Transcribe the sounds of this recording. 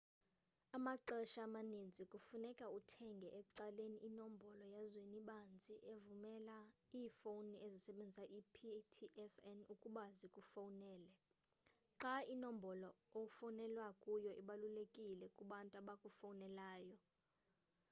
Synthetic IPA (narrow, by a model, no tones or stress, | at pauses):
amaǀɛʃaːmanind͡zʱikʼufunɛkʼautʰɛŋɡʱɛʔɛkʼǀaleniʔːnombʱɔlɔjazweniɓand͡zʱiʔevumɛlaiːfowniezisɛɓend͡zʱisaʔipʰitʰiʔɛsɛnukʼuɓazikʼufawunɛːlɛ | ǁainombʱɔlɔoufɔwunɛlwakʼujɔʔiɓalulekʼilɛkʼuɓantʼaɓakʼufawunɛlaːjɔ